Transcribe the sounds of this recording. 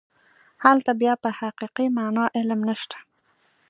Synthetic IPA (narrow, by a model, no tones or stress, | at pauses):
halt̪abjɑpəhaqiqimanɑʔɪlmnaʃt̪ḁ